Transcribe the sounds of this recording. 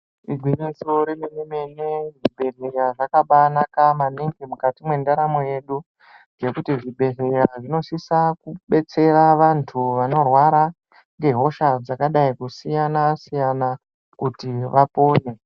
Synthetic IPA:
iɡʱwiɲisoɾimememeneʐiɓe̞reɾaʐakaɓanakamaniŋɡimukatimwe̞ndaɾamoje̞ɗu | nɡe̞kutiʐiɓe̞ɦejaʐino̞ʂisakuɓe̞t͡se̞ɾaʋantʰuʋano̞rwaɾa | ŋɡe̞ɦo̞ʃad͡zakaɗaikusijanasijana | kutiʋapo̞ːne̞

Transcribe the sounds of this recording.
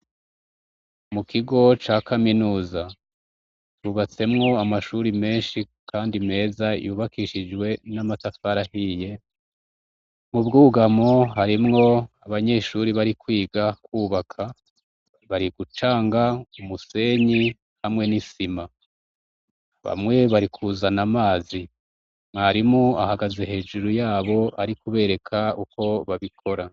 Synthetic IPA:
mukʰiɡo̞t͡ʃaːkʰaminuːza | tuːβat͡se̞mŋo̞amaʃuɾime̞ːnʃikaːndime̞ːzajuːβakiʃid͡ʒɡwe̞namatafaɾahiːje̞ | mubɡuːɡamoɦaɾimŋo̞aβaɲe̞ʃuɾiβaɾikwiːɡakwuːβakʰa | βaɾiɡ̥ut͡ʃaːŋɡaumuse̞ɲi | hamŋe̞nisima | βa̰mŋe̞βaɾikʰuːzanamaːzi | maɾimua̰haɡaze̞he̞ːd͡ʒuɾujaːβo̞aɾikuβe̞ːɾe̞kʰauko̞βaβikʰo̞ɾa

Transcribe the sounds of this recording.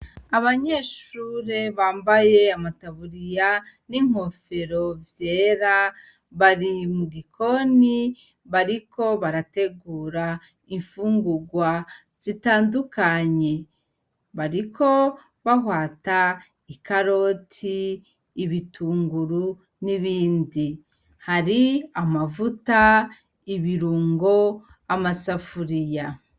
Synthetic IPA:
aβaɲe̞ʃuːɾe̞βaːmbaje̞amataβuɾija | niŋ̥o̞fe̞ɾo̞vje̞ːɾa | βaɾimuɡikʰo̞ni | βaɾikʰo̞βaɾate̞ɡuːɾa | iɱfuːŋɡuɡwa | z̥itaːndukaɲe̞ | βaɾikʰo̞ | βaɦwaːta | ikaɾo̞tʰiː | βitʰuːŋɡuɾu | niβiːndi | haɾiamavuta | iβiɾuːŋɡo̞ | amasafuɾija

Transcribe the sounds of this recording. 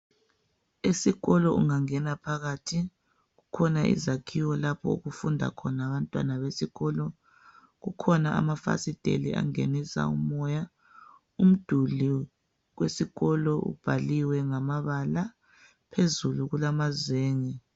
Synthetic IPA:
esiɣɔlɔʔuŋaŋɛnapʰaɣatʰi | ɣukʰɔnaʔḭzakʰiwɔlapʰɔ̰uɣufundʱa̰kʰɔnaːβantʼwa̰naβesiɣɔlɔ | ɣukʰɔnaʔa̰mafa̰sid̥ʱḛliʔa̰ŋenisa̰ṵmɔja | um̩d̥ʱuli | ɣwesiɣɔlɔʔṵb̥ʱaliwɛŋamaβala | pʰezuluɣulamazweːŋi

